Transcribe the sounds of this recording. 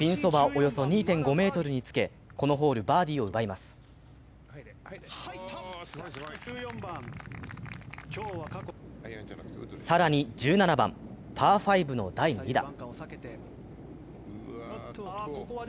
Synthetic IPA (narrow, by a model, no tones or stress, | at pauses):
pʲĩɰ̃so̞baʔo̞jo̞so̞ɲ̟iːt̪ẽ̞ŋɡo̞me̞ːt̪o̞ɾɯ̟ɲ̟it͡sɨ̥ke̞ | ko̞no̞ɦo̞ːɾɯ̟baːd̪ʲiːo̞ɯ̟baimasɨ̥ | ko | saɾaɲ̟id͡ʑɨːnanabã̰nt̪ʰaːɸaibɯ̟no̞̰d̪aiɲid̪a̰e